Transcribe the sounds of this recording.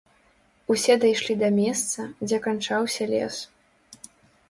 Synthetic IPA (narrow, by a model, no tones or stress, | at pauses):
usʲɛd̪ajʂlʲid̪ɐmʲɛst̪sɐd͡zʲɛkant͡ʂawsʲɐlʲɛ̰s